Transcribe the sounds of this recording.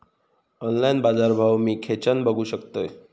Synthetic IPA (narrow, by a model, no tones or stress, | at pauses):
ɔnlainbad͡zaɾbʱawmiːkʰet͡ɕənbʱəɡʱuːɕəkt̪oj